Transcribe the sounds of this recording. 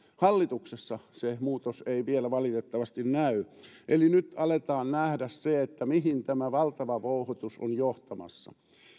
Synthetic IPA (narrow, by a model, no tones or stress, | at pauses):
hɑlːit̪uksesːɑsemuːt̪oseiʋielæʋɑlit̪et̪ːɑʋɑst̪innæyʔelinyt̪ɑlet̪ɑːnnæhdæsseet̪ːæmihint̪æmæʋɑlt̪ɑʋɑʋouhot̪uso̰njoht̪ɑmɑ̰sːɑ̰